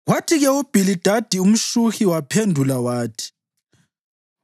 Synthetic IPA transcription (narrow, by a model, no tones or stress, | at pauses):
watʰiɣɛub̥ʱilid̥ʱad̥ʱium̩ʃuxiwapʰendʱulawaːtʰi̥